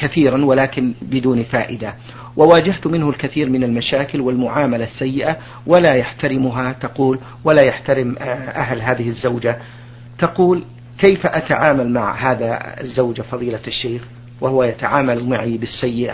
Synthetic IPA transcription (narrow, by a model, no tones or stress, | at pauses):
kaθiːɾanwalaːkɪnbɪd̪uːnfa̰ːʔɪd̪a | wʔawaːd͡ʒaht̪mɪnhʊlkaθiːɾmɪnalmaʃaːkɪlwɪlmʊʕaːmalasːajːɪʔa | walajaħt̪aɾɪmʊɦat̪aquːl | walajaħt̪aɾɪmʔaɦlɦaːðɪhɪzːawd͡ʒa | t̪aquːl | kejfʔat̪aʕaːmalmaʕɦaːða̰zːawd͡ʒafɑðˤiːlaʃːeːx | wahʊwajat̪aʕaːmalmaʕibɪsːajːɪʔa̰